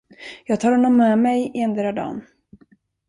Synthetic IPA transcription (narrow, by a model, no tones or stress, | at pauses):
jɑːɡ̚t̪ʰɑːɾhɔnːɔmːɛmɛjɛnd̪ɾad̪ɑ̰ːn